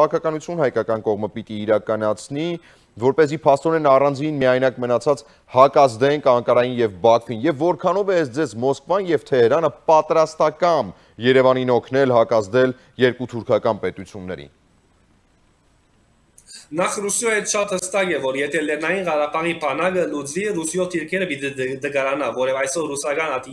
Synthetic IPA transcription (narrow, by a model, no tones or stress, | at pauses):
ɑkʰɑkɑnut͡sʰjunhɑjkɑkɑnkɔʁməpit̪iːɾɑkɑnɑt͡sʰni | vɔɾpɛzipʰɑst̪ɔɾɛnɑrɑnd͡zinmiɑjnɑkmənɑt͡sʰɑt͡s | hɑkɑzd̪ɛŋkʰɑŋkɑɾɑjinjɛvbɑkʰvinjɛvːɔɾkʰɑnɔvɛɛsd͡zɛzmɔskvɑjnjɛvt̪ʰɛhɛɾɑnəpɑt̪ɾɑst̪ɑkɑn | jɛɾɛvɑninɔkʰnɛlɦɑkɑzd̪ɛl | jɛɾkut̪ʰuɾkʰɑkɑnpɛt̪ut͡sʰjunːɛ̰ɾḭn | nɑχrusjɔjɛt̪ʃɑt̪həst̪ɑkɛvɔɾjɛt̪ʰɛlɛɾnɑjinʁɑɾɑbɑʁibʰɑnɑɡəlut͡slirusjɔt̪ʰːiɾkʰɛɾəpit̪ɛd̪əɡɑɾɑnɑvɔɾɛvɑjsɔɾusɑkɑnɑt̪i